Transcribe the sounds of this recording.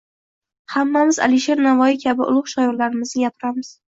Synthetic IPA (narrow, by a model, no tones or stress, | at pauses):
hamːamɪza̰lɪʃe̞ɾnavɒikʲʰabɪʔʊ̰lˠʊχʃajɔɾlaɾɪmɪznɪɡʲapʰɪɾamɪz̥